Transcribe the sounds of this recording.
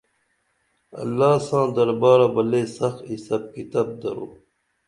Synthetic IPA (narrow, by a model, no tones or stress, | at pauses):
ɐ̰lːaːsãːd̪ɐɾbaːɾɐbɐleːsɐxisɐb̚kit̪ɐb̚d̪ɐ̰ɾo̰ː